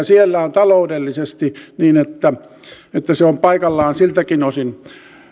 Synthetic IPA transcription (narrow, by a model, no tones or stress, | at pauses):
sielːæont̪ɑloudelːisest̪iniːnet̪ːæ | et̪ːæseompɑikɑlːɑːnsilt̪ækinosin